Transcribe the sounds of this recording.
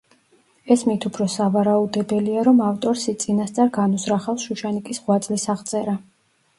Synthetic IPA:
ɛsmit̪ʰupʰɾɔsavaɾaud̪ɛbɛliaɾɔmaft̪ʼɔɾsit̪sʼinast̪sʼaɾɡanusɾaχalsʃuʃanikʼisʁwat̪sʼlisaʁt̪sʼɛɾa

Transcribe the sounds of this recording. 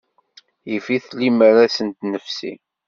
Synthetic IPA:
jəfiθlːiməɾasənt̪nəfsḭ

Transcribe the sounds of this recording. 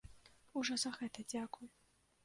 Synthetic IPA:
uʐɔzɐɣɛt̪ɐd͡zʲakuj

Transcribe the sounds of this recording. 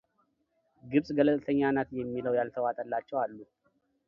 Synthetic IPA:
ɡɨβsʼɡələt̪ʼt̪ʰəɲːanət̪jɛmːiləwjalt̪ʰəwat̪ʼəlːat͡ʃːɛwalːu

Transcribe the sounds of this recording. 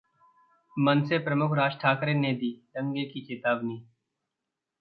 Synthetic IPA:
mənsepɾəmʊkʰɾaːd͡ʒʈʰaːkɾeːned̪iːɾə̃ŋɡekikɪt̪aːbniː

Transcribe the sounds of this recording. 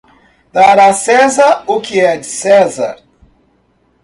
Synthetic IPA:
d̪̥aɾasɛzaɾʊkɪɛd͡ʒɪsɛza̰ɾ

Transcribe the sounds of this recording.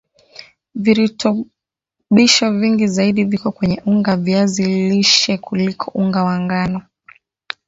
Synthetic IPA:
viɾutʰɔ | ɓiʃɔviŋɡizaiɗivikɔkwɛɲɛʔuŋɡavjaziliʃɛkulikʰɔʔuŋɡawaŋɡanɔ

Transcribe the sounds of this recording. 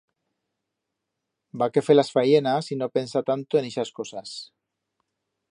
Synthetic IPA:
bakefelasfajenasinopensat̪ant̪oeneʃaskosas

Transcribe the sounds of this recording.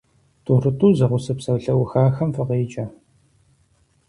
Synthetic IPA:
tʰuːrɨtʰʼuːzɐʁʷʊsɨpsɐwɬɐwʊxaːxɐmfɨʁeːt͡ʃʼɐ

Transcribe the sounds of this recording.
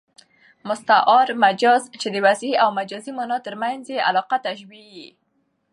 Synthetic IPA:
mʊst̪aʔɑɾmad͡ʒɑzt͡ʃed̪əwazawmad͡ʒɑzimɑnɑt̪əɾmanzjeʔa̰lɑqat̪aʃbiji

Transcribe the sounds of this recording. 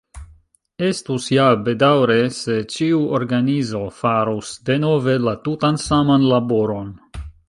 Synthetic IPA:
e̞stusjabe̞dawɾe̞se̞t͡ʃiuoɾɡanizo̞faɾusde̞no̞ve̞latutansamanlabo̞ɾo̞n

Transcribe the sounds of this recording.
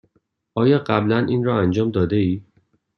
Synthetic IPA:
ʔɒːjɒːɢæblænʔiːnrɒːænd͡ʒɒːmd̪ɒːd̪e̞iː

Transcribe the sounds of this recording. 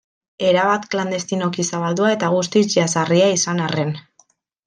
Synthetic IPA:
e̞ɾaβat̪kland̪e̞st̪ino̞kisaβald̪uae̞t̪aɣ̞ust̪it͡ʃasariaisanare̞n

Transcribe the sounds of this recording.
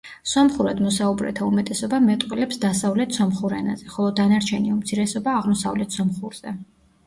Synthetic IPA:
sɔmχuɾad̪mɔsaubɾɛ̰t̪ʰaumɛt̪ʼɛsɔbamɛt̪ʼqʼwɛlɛpsd̪asavlɛt̪ʰsɔmχuɾɛna̰zɛχɔlˠɔd̪anaɾt͡ʃʰɛniumt̪sʰiɾɛsɔbaːʁmɔsa̰vlɛt̪ʰsɔmχuɾz̥ɛ

